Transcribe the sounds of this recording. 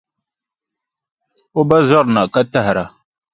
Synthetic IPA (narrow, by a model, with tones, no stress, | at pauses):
o˦ba˦zɔ˦ɾna˨ka˦ta˦hɾa˨